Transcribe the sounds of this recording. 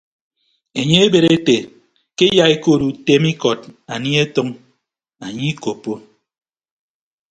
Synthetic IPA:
e˨ɲe˦e˦be˨ɾe˦te˨ | ke˦ja˦e˦ko˦˨ɾu˨te˦mi˦kɔ˨t̚a˨ni˦e˦tɔ˦ŋ | a˨ɲi˦ko˨po˦

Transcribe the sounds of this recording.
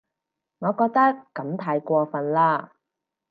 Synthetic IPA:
ŋɔː˨˧kɔː˧k̚t̪ɐ˥kkːɐ˨˧˥mt̪ʰaː˧jkʷɔː˧fɐ˨nlaː˧˥

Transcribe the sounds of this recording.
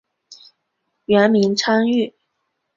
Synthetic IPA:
ɥɛ˧˥nmi˧˥nʈ͡ʂʰa˥ŋy˥˩

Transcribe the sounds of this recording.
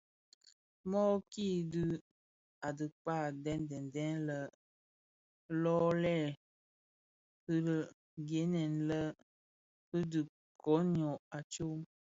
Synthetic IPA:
mɔ˦kiː˦˨dɨ˦ | a˨dɨ˨k͡pa˦˨dɛ˦n˦dɛ˨n˨dɛ˦nlə˦ | lɔ˦lɛ˦˨ | hɨ˦lə˨ | ɡe˨˦nɛ˨nlə˦ | ɨ˦dɨ˨ | kɔ˨˦ɲɔ˨a˨t͡ʃo˦

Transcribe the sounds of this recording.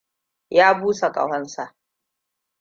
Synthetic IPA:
jaː˦buː˦sa˨kɐ̰˨hɐ˦nsa˨ʔ

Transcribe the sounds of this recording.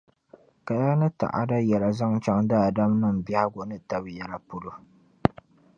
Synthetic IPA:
ka˨da˦nɨ˦ta̰˨ʔa̰˦da˦jɛ˨la˨za˦ŋt͡ʃa˦ŋda˦˨da˦mnɨ˦m˨ba˦ha˦ɡo˨nɨ˦ta˦bjɛ˨la˦pʊ˦lo˦

